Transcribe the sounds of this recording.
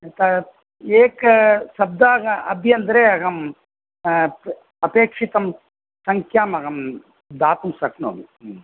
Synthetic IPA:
t̪ɐ | eːkɐsɐb̚d̪aːɡɐɐbʱjɐnd̪ɐɾeːɐɡɐm | ɐpeːkʂit̪ɐm | sɐŋkʰjaːmɐɡɐm | d̪aːt̪umsɐkno̰ːmi

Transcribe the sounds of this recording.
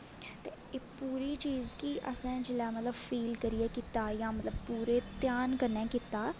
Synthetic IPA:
t̪eː | eːpuːɾiːt͡ʃiːzkiʔə̰sɛ̃ːd͡ʒɪlɛːmət̪ləbfʰiːlkəɾiɛːkit̪aːjãːmət̪ləb̚puːɾeːt̪jaːnkəɾnɛ̃ːkit̪aː

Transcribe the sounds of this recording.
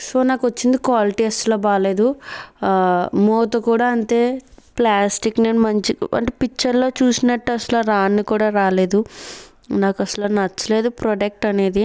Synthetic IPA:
so̞ːnaːkuʋɐt͡ʃːind̪ikʋaːliʈiːɐsʈloːbaːle̞ːd̪u | moːt̪ɐkuːɽaːɐnt̪e̞ːplaːsʈikneːnumɐɲt͡ʃiɐ̰ɳʈepikt͡ʃːɐɾlo̞ːt͡ʃuːsinɐʈːɐsɐlaɾaːnːikuːɽaːɾaːle̞ːd̪u | naːkɐsɐlaːnɐt͡ʃːɐle̞ːd̪upɾoɖek̚ʈɐne̞ːd̪i

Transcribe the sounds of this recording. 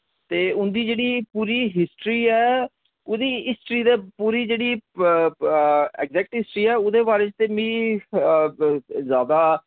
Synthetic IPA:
t̪eːʊnd̪iːd͡ʒeːɽiːpuːɾiːɦɪsʈɾiːɛː | ʊd̪iːɪsʈɾiːd̪eːpuːɾiːd͡ʒeːɽiː | ɛkzɛːk̚ʈɦɪsʈɾiːɛːʊd̪eːbaːɾeːt͡ʃt̪eːmĩː | zjaːd̪aː

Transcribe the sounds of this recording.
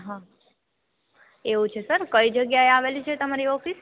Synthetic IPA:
ɦã | eʋũt͡ʃʰesəɾkəid͡ʒəɡjaeaʋelit͡ʃʰet̪əmaɾiɔfis

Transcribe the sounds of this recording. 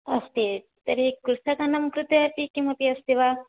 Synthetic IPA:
ɐst̪i | t̪ɐɾekːuɾsɐkɐnɐmkɾut̪ɐɐpikimɐpiɐst̪iʋa

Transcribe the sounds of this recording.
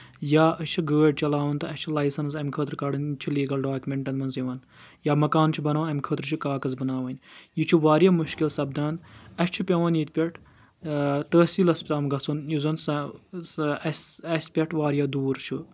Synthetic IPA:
jaːɐt͡ʃʰuɡəːɖ̚ʲt͡ʃɐlaːʋɐnt̪ɨɐt͡ʃʰulɐjsɐns̬ɐmʲkʰəːt̪ɾkɐɽɐnt͡ʃʰuliːɡɐlɖaːkmʲeɳʈɐnmɐnziʋɐn | jaːmɐkaːnt͡ʃʰubɐnaːʋnɐmʲkʰəːt̪ɾt͡ʃʰukaːkɐzbɐnaːʋɐnʲjit͡ʃʰuʋaːɾjaːmuʃkilsɐb̚d̪aːnɐʃt͡ʃʰupʲɐʋɐnit̪̚ʲpʲɐʈʰ | t̪əːsiːlɐspʲt̪aːmɡɐt͡sʰunizɐnsɐ | ɐsɐsʲpʲɐʈʰʋaːɾjaːd̪uːɾt͡ʃʰu

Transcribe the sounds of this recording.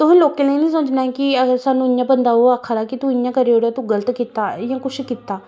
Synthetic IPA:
t̪ʊɦːloːkẽːnəinĩːs̬əmət͡ʃnaːkiəɡəɾsaːnũːɪjãːbənd̪aːɦoːaːkʰaːd̪aːkit̪ũːɪjãːkəɾeːoːɽaːt̪ũːɡələt̪kiːt̪aːjãːkʊʃkiːt̪ːaː

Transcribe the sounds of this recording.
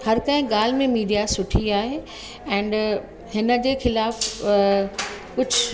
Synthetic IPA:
hɐɾkɐɦɪ̃ɡaːl̤ɪmẽmiːɖijasʊʈʰiaːɦeː | ɛ̃ːnɖ | ɦɪnə̆d͡ʑeːxɪlaːf | kʊd͡ʑʱʊ

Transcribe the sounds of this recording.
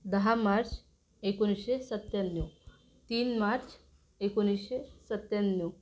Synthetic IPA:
d̪əɦamaɾt͡s | ekoñiɕesət̪janjo | t̪iːnmaɾt͡s | ekoñiɕesət̪janːjo

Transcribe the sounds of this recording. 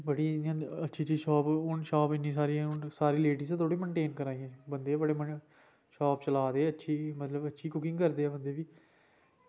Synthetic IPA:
bəɽiːnːãːətːʃʰiːt͡ʃiːʃɔːpʊnʃɔːpɪnːiːs̬aːɾiːʊnsaːɾiːleːɖiːsẽːt̪ʰoːɽiːməɳʈeːnkəɾaːĩːɛ̃ːbənd̪eːbəɽeːmən | ʃɔːpt͡ʃəlaːd̪eːətːʃʰiːmət̪ləbətːʃʰiːkʊkɪ̃ŋɡkəɾd̪eːɛːbənd̪eːʋiː

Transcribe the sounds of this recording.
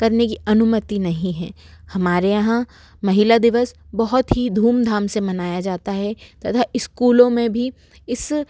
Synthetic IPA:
kɐɾnekiɐnʊmət̪inɐɦĩɦɛ̰̃ː | hɐmaːɾejɐɦã | mɐɦɪlad̪ɪʋəsbɐɦʊt̪ɦid̪ʱuːmd̪ʱaːmsemɐnaːjad͡ʒaːt̪aɦɛt̪ɐt̪ʰaɪskuːlõmẽbʱi | ɪs

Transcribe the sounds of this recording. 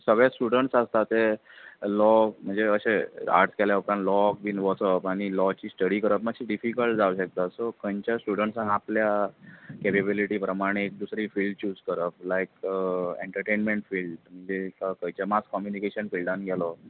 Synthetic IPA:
səɡɭjasʈuɽəɳʈsast̪at̪e | lɔm̤əɳd͡zeəɕea̰ɾʈskɛljaəpɾãnlɔk̚biːnʋɔsəpaɽ̃ilɔt͡ɕiːsʈəɽikəɾəpmaɡɕiɖifikəlʈd͡zaʋwɕək̚t̪asɔkəɲt͡ɕasʈuɽəɳʈsãŋapljakepebiliʈiːpɾəmaɽ̃eːk̚d̪usɾiːfilɖ̚t͡ɕuːd͡zkəɾəp̚lajk̚ḛɳʈəɾʈenmeɳʈfilɖm̤əɳd͡zekakəit͡ɕamaskɔmjunikeɕənfilɖãnɡʱɛlɔ

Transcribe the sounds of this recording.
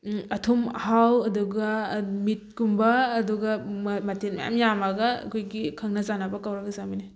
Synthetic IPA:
ɐtʰumhawɐduɡɐmit̚kumbɐːduɡɐmɐtin̚ma̰ja̰mjamaɡɐɐ̰kʰojɡikʰɐŋnɐzanɐbɐkawɾɐɡɐzamini

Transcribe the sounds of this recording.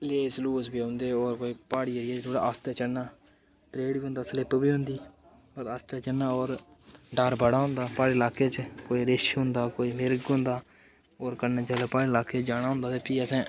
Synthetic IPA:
leːsluːsbiːɦõnd̪eːoːɾkoːiːpaːɽiːəɾɪjaːt͡ʃt̪ʰoːɽa̰ːəst̪eːt͡ʃənːaː | t̪ɾeːɽbiːɦʊ̃nd̪aːslɪpbiːɦʊ̃nd̪iː | əɾəst̪eːt͡ʃənːaːoːɾ | ɖaɾbʱəɽaːɦʊ̃ːnd̪aːpaːɽeːlaːkeːt͡ʃkoːiːɾɪʃɦʊ̃nd̪aːkoːiːmɪɾɡʊ̃nd̪aː | oːɾkənaːt͡ʃaːleːpaːɽeːlaːkeːt͡ʃd͡ʒaːɽ̃aːɦʊ̃nd̪aːt̪eːpiːəsɛ̃ː

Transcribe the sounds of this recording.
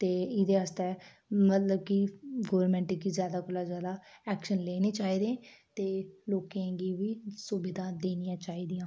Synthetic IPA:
t̪eːɪd̪eːaːst̪eː | mət̪ləbkɪɡoːɾmɛ̃ːɳʈɪɡiːzjaːd̪aːkʊlaːzjaːd̪aːɛːkʃənleːnẽːt͡ʃaːiːd̪ẽːt̪eːloːkẽːɡiːʋiːsʊbɪd̪ãːd̪eːnijãːt͡ʃaːiːd̪ijãː

